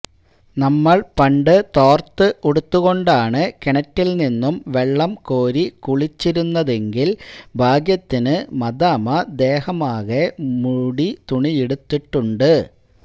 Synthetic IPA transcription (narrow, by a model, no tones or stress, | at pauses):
nɐmːɐɭpɐɳɖɨt̪o̞ːrt̪ːɨʔuɽut̪ːuɣo̞ɳɖaːɳɨkeɳɐtːilninːumʋe̞ɭːɐmkoːɾikuɭit͡ɕːiɾunːɐðe̞ŋɡilbʱaːɡjɐt̪ːinɨmɐd̪aːmɐd̪e̞ːhɐmaːɣemuɽit̪uɳijeɽut̪ːiʈːuɳɖɨ